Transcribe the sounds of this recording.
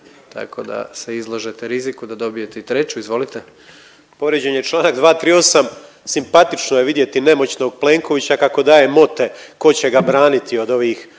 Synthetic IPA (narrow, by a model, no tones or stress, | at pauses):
t̪a̰ko̞d̪a̰seizlˠoʒet̪eɾizikud̪ad̪o̞bije̞t̪eit̪ɾe̞t͡ɕuizʋo̞lit̪e | po̞ʋɾjed͡ʑeɲet͡ʃlˠaːnaɡd̪ʋaːt̪ɾiːo̞sam | simpat̪it͡ʃnoje̞ʋid̪je̞t̪ine̞mo̞t͡ɕno̞ɡ̚ple̞ːŋko̞ʋit͡ɕakako̞d̪aːje̞mo̞t̪e̞ko̞t͡ɕe̞ɡabɾaːnit̪io̞d̪o̞ʋiːx